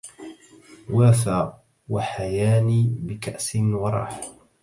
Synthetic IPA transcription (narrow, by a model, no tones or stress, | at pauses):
waːθaː | waħajaːniːbɪkaʔsɪnwɑɾˤɑ̰ːħ